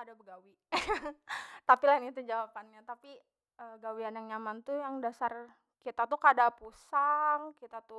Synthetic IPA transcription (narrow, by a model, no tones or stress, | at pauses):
adabəɡawi | t̪apilaɪnit̪ud͡ʒawapanɲat̪api | əɡawianjaŋɲamant̪ujaŋdasar | kit̪at̪ukadapusaŋkit̪at̪u